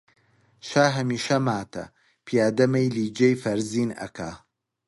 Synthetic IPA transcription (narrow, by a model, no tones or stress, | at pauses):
ʃaːɦɐmiːʃɐmaːt̪ʰɐ̰ | pʰijaːd̪ɐmɐjliːd͡ʒejfɐɾziːnɐ̰kʰa̰